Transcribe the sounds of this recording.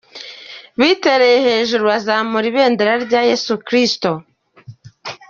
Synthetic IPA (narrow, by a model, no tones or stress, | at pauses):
βite̞ɾejehe̞ːʒuɾuwazamuɾiβe̞ːndeɾaɾɟaje̞sukɾisto